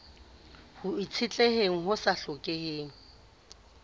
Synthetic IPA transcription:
hʊit͡sʰɪt͡ɬʼeheŋ̩ɦʊsaɬʊkʼeheːŋ̩

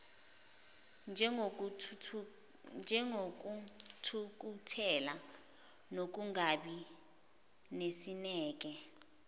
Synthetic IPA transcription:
nd͡ʒʱɛŋoutʰuk̬ʼutʰɛla | nok̬uŋaɓi | nesinɛːk̬ʼɛ

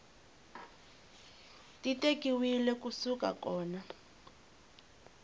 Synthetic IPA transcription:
titekʼiwilɛkusuka̰kɔːna

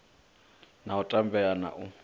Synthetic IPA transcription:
nautʼambɛjana̰ʔʊ

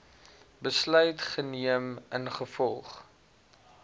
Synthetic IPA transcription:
bəslœɥtχəniəmənχəfɔlˠχ

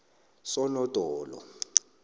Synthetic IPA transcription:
sɔnɔd̥ʼʱɔːlɔ̰

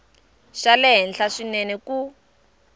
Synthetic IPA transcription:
ʃalɛɦɛnɬaʂinɛnɛku

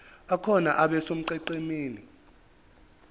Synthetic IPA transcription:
akʰɔna̰ʔaɓɛsom̩ǃɛǃemeːni

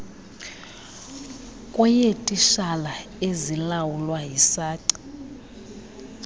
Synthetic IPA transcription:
kʼwɛjetʼiʃalaezilawulwaɦisaːǀi̥

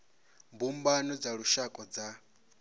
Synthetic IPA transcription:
mbumbanɔd͡zaɺuʃakʼɔd͡za

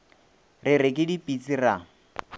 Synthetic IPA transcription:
rɪrɪkʼɪdipʼit͡sʼira

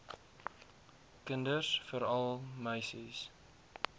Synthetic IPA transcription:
kəndərsfəɾɐlˠmœɥsis

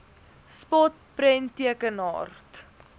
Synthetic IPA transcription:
spɔt̚ | pɾɛntiəkənɦɑ̰ːrt

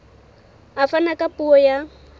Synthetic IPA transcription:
afanakʼapʼuɔja

